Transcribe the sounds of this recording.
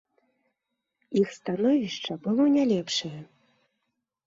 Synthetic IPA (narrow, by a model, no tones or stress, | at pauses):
ixst̪anɔvʲiʂt͡ʂɐbɨlˠɔnʲalʲɛpʂɐjɐ